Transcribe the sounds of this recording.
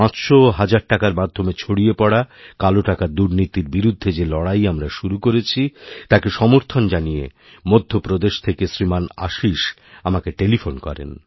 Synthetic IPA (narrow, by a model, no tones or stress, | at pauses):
pãt͡ɕʃoɦad͡ʑaɾʈakaɾmad̪ʱːomet͡ɕʰoɽiepɔɽakaloʈakaɾd̪uɾnit̪iɾbiɾud̪ʱːed͡ʑelɔɽajamɾaʃuɾukoɾet͡ɕʰit̪akeʃɔmoɾt̪ʰond͡ʑanijḛ | mod̪ʱːopɾod̪eʃt̪ʰekesɾimana̰ʃiʃ | amakeʈelifʰonkɔ̰ɾḛn